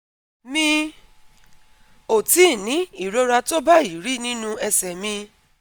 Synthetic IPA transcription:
mĩ˧ | o˨ti˨˦˨nĩ˨˦i˦˨ɾo˦ɾa˧to˦ba˦i˨ɾi˦˨nĩ˦nũ˦ɛ˧sɛ˨mĩ˧

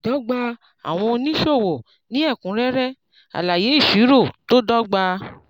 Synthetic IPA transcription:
dɔ˦ɡ͡ba˧ | a̰˨w̃ɔ̃˧o˧nĩ˦ʃo˦˨wo˨ | nĩ˦ɛ˦˨kũ˨˦ɾɛ˦ɾɛ˦ | a̰˨la˨je˨˦i˦˨fi˨˦ɾo˦˨to˦dɔ˦ɡ͡ba˧

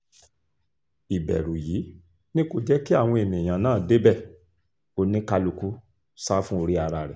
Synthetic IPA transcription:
i˨bɛ̰˨ɾũ˨jiː˨˦ | nĩ˦ko˦˨d͡ʒɛ˦ki˦a˦˨w̃ɔ̃˧e˨mĩ˨j̃ã˨nãː˦˨de˦bɛ˦˨ | o˧˦nĩ˦ka˧lu˨ku˦ | sa˦fũ˦o˧ɾi˦a˧ɾa˧˨ɾɛ˨

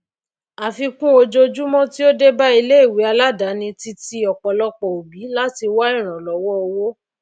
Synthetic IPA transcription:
a˨fi˧kũ˦o˧d͡ʒo˧d͡ʒu˦mɔ̃˦ti˦o˦de˦ba˦i˧le˦i˦˨wi˨˦a˧la˦da˨˦nĩ˧ti˧ti˧ɔ˨k͡pɔ˨lɔ˦k͡pɔ˨o˨bi˨˦la˦ti˧wa˦i˦˨ɾ̃ã˨lɔ˨˦wɔ˦o˧wo˦

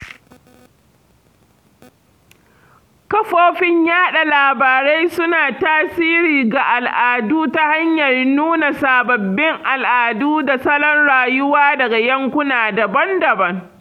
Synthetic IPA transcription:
kɐ˦ɸoː˦ɸɪ˦ɲjaː˦ɗa˨laː˨baː˨ɾe˦jsʊ˦naː˨taː˦siː˦ɾiː˨ɡa˨ʔa˨lʔaː˨duː˦ta˦ha˦ɲjɐ˨rnuː˦na˨saː˨bɐ˨bːɪ˦ŋʔa˨lʔaː˨duː˦da˨sɐ˦lɔ˦nɽaː˨jʊ˦waː˦dɐ˨ɡa˨jɐ˦ŋkʷʊ˦naː˨dɐ˨bɐ˦ndɐ˨bɐ˦ŋ

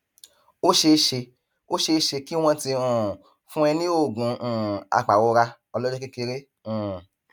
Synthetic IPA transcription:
o˦ʃe˧ʃe˧ | o˦ʃe˧ʃe˧ki˦w̃ɔ̃˦ti˧ũ˨ | fũ˦ɛ˧nĩ˦o˦˨ɡũ˨ũ˨a̰˧˨k͡pa˨wo˧ɾa˧ | ɔ˧lɔ˦d͡ʒɔ˦ki˦ke˧ɾe˦ | ũ˨

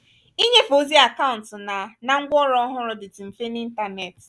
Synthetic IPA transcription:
i˦ɲe˦fo˨zi˦a˨ka˦ʊ˨n̩˨tna˨na˨ŋ̩˦ɡʷɔ˦ɾɔ˦ɦʊ˦ɾʊ˨dɪ˨tɪ˨m̩˨fe˦ni˦n̩˦ta˦ne˨t

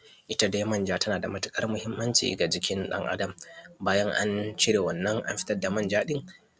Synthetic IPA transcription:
ʔɪ˦ta˦da˦jmɐ˦˨nd͡ʒaː˦tɐ˦naː˨da˨mɐ˨tʊ̥˦kʼɐ˦rmʊ˦hɪ˦mːɐ˦nt͡ʃḭː˨ɡa˨d͡ʒɪ˦kʲɪ˦nɗɐ̰˦ŋʔa̰˦dɐ˨mbaː˦jɐ˦ŋʔa̰˦nt͡ʃɪ˦ɽeː˨wɐ˨nːɐ˦ŋʔa̰˦mɸɪ̥˦tɐ˦rda˨mɐ˦nd͡ʒaː˦ɗɪ˦ŋ

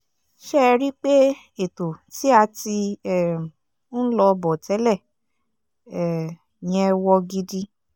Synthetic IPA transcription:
ʃɛ˦˧ɾi˦k͡pe˦ | e˨to˨ti˦a˧ti˧ɛ˨˦ | lɔ˧bɔ˨tɛ˨˦lɛ˦˨ | ɛ˨ | j̃ɛ̃˧wɔ˧ɡi˧di˧

